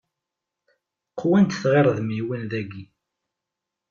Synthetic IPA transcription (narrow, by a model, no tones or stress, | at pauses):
qʰːwænt̪θʁeɾˤðmiwənðæɡi